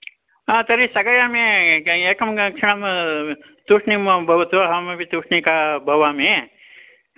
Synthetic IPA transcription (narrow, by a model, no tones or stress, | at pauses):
at̪ɐɾisɐɡɐjaːmeeːkɐmkʂɐɳɐm | t̪uʂɳimɐbʱɐʋɐt̪ʋɐɦɐmɐʋit̪uʂnikabʱɐʋaːme